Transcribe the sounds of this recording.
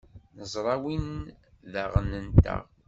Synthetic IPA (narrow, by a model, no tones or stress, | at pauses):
nəzˤɾˤɑwin | ðæʁənənt̪ə̰ʁ